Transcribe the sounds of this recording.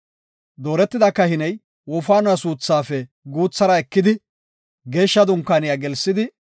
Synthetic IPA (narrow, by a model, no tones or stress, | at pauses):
d̪o̞ːɾɛt̪ːɪd̪akːɐhɪnɛj | wɔfaːnɐsuːt͡sːaːfɛ | ɡuːt͡sːɐɾɐɛkːɪd̪ɪ | ɡe̞ːʃːɐd̪ʊŋkːaːnɪjaːɡɛlsːɪd̪ɪ